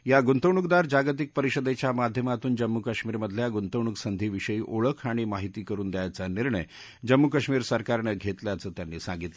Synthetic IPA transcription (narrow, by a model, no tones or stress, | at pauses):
jaɡunt̪əwɳukd̪aɾd͡ʑaɡt̪̬ik̚pəɾiɕəd̪et͡ɕjamad̪ʱjəmat̪uːnd͡ʑəmːukəɕmiːɾməd̪ʱljaɡunt̪əwɳuksənd̪ʱiːʋiʂəiːʔoɭəkʰaɽ̃imaɦit̪iːkəɾuːnd̪jajt͡saniɾɳəj | d͡ʑəmːukəɕmiːɾsəɾkaɾnəɡʱet̪ljat͡səːt̪janːiːsãŋɡit̪lə